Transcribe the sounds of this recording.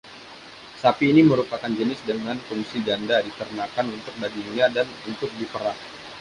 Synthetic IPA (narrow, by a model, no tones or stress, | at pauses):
sapiːniməɾupakand͡ʒənɪsdəŋanfuŋsid͡ʒandadit̪əɾənakanunt̪ʊk̚baɡinɲadanunt̪ʊk̚dipəɾah